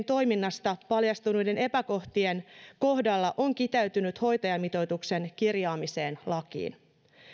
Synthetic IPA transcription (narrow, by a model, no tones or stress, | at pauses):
nt̪o̞jminːɑst̪ɑpɑljɑst̪unujde̞nepæko̞ht̪ienko̞hdɑlːɑʔo̞ŋkit̪æyt̪ynyt̪ho̞jt̪ɑjɑmit̪o̞jt̪ukse̞nkirjɑːmise̞ːnlɑkḭːn